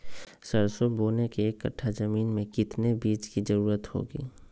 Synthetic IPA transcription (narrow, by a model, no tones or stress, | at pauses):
səɾsoboːnekekːəʈʰːazəmiːnmẽkɪt̪nebiːt͡ʃkizəɾuːɾət̪ho̰ːɡḭː